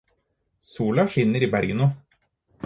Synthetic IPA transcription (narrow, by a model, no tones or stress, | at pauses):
suːlɑʃɪnːəɾiːbæɾɡənuː